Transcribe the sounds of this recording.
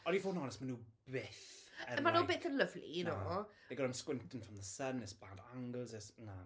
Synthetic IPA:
ɔnivɔːnɔnɛsmanuːbɪθəmanoubɪθənləvlḭnɾo | eɡɔɾamskwɪ̃ntən̩fɹɔmðəsənəsb̥adaŋɡəlˠzɛsna

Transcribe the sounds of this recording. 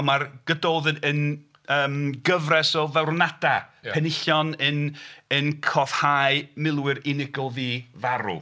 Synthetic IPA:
marɡ̥ədoːðɨdən | əːmɡəvrɛsɔvɛwrnad̥apʰɛnɪɬjɔnənənkʰɔð̥hajmɪlˠwɨɾɪnɪɡɔðivaɾṵ

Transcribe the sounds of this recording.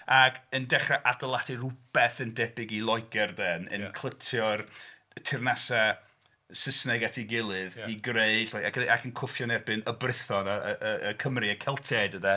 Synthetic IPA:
aɡəndɛχraʔadɔlˠatʰirʊb̥ɛθəndɛbɪɡilˠɔjɡɛrdɛnə̰nkʰl̥ˠətʰjɔr | tʰɪrnasa | səsnɛɡatʰiɡɪlˠɨðiɡreɨɬaakəʔakʰənkʰʊfjɔnɛbɨnəbrɪθɔnaəəəkʰəmriəkʰɛlˠtʰɛdəda

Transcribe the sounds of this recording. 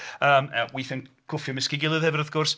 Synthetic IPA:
əːmɛwiθən | kʰʊfjɔmɪskɪɡɪlˠɨðhɛvəɾaθɡ̥ʊrs

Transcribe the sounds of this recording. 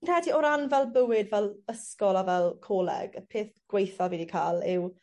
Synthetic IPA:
nr̥ɛdiɔɾanvɛlˠbəwɪdvɛlˠəskɔlˠavɛlˠkʰoːlɛ̰ɡ̥əpʰeːθɡ̥wejθaviːdikʰaːlˠɪw

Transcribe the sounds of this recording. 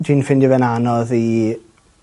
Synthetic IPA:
dinfɪndjəvɛnanɔði

